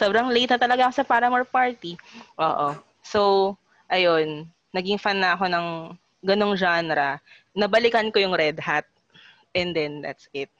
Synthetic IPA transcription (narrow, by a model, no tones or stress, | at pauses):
sobɾɐŋlejt̪nɐt̪ɐlɐɡaʔkosɐpaːɾɐmɐpaɹt̪iʔo̰ːʔo | sow | ʔɐjo̞nː | ɐɡiŋfanːɐɐko̞nɐŋ | ɡɐno̞ŋd͡ʒanɾɐ | nɐbɐlɪkɐnko̞jʊŋɾɛd̪hat̪̚ | ʔɛnd̪ɛnd̪a̰t̪sɪt̪̚